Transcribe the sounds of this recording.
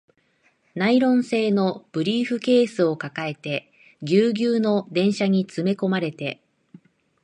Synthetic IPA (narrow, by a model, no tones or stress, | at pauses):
naiɾõ̞ɰ̃se̞ːno̞b̥ɯ̟ɾʲiːɸɯ̟ke̞ːsɨo̞kakae̞t̪e̞ | ɡʲɨːɡʲɨːno̞d̪ẽ̞ɰ̃ɕaɲ̟it͡sɨme̞ko̞maɾe̞t̪e̞